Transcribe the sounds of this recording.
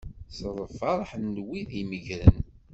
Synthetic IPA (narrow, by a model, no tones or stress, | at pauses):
sɾˤəfɑɾˤħnːwiðiməʝɾən